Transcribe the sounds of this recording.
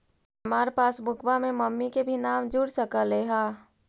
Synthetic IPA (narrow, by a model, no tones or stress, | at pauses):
ɐmaːɾepaːsbʱʊkʰwamẽməmːikebʱinaːmd͡ʒuɽsəkəleːɦaː